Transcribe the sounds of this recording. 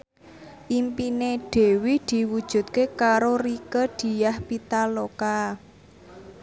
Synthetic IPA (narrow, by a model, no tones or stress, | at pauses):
ʔimpineɖ̥e̤wid̪̥i̤wud̥ʒ̥ṳt̪̚kekaɾorikəd̪̥i̤jahpit̪aloka